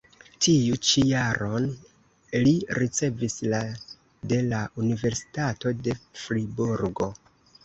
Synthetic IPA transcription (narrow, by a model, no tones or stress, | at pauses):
tijut͡ʃijaɾo̞n | liɾit͡se̞visla | de̞laʔunive̞ɾsi̥tato̞de̞fɾibuɾɡo̞